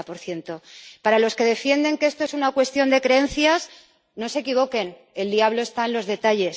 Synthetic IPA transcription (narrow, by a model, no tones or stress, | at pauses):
po̞ɾθje̞nt̪o̞paɾalo̞ske̞ðe̞fje̞nd̪e̞ŋkee̞st̪o̞esunakwe̞st̪jo̞nd̪e̞kɾeẽ̞nθjas | no̞se̞kiβ̞o̞ke̞n | e̞ld̪iaβlo̞e̞st̪aẽnlo̞zðe̞t̪aʎe̞s